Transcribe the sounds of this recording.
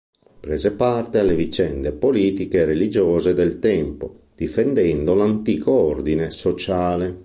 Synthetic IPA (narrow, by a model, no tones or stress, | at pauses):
pɾɛzepart̪ealevit͡ʃɛnd̪epoliːt̪ikeːrelid͡ʒɔːzed̪ɛlt̪ɛmpo | d̪̥ifɛnd̪ɛnd̪olant̪iːkoɔrd̪inesot͡ʃaːle